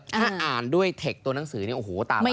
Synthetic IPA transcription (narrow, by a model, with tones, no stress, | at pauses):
tʰaː˥˩ʔaː˨˩ndu˥˩əjt̪ʰe˨˩k̚t̪u˧na˩˦ŋsɯː˩˦ni˥˩ʔo˨˩hoː˨˩˦t̪aː˨˩m˥˩